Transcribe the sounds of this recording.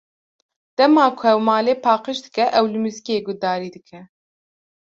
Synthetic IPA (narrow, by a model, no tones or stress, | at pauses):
d̪̥ɛmɑːkʰʊɛwmɑːleːpʰɑːqɨʃd̪ɨkɛʔɛwlɨmɨzkieːɡʊd̪ɑːɾiːd̪ɨkʰɛ